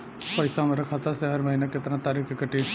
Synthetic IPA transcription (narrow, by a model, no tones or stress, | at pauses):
pɐɪsamẽɾɐkʰat̪aseɦɐɾməɦiːnekɪt̪ɾãt̪aːɾiːxkekəʈe